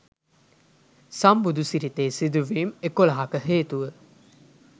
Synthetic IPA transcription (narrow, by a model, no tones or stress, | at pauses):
sɐmbud̪usiɾit̪eːsid̪uʋiːmekolaɦakəɦeːt̪uʋə